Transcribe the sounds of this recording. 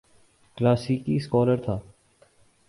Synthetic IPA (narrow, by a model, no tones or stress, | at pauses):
klaːsikiskɔːləɾt̪ʰaː